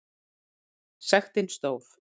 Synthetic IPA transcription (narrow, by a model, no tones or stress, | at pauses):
sɛxt̪ɪnst̪owf